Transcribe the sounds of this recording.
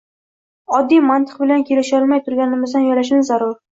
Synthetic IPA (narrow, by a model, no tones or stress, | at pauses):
ɒd̪ːijmant̪ʰɨ̥qbɪlankʲʰelɪʃɪlˠmajt̪ʰʊɾɡʲanɪmɪzd̪anjɒlaʃ̬ɪnzaɾʊɾ